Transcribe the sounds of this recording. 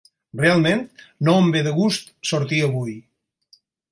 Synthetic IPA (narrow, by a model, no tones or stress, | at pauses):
realˠment̪noəmbeðəɣust̪soɾt̪iəβuj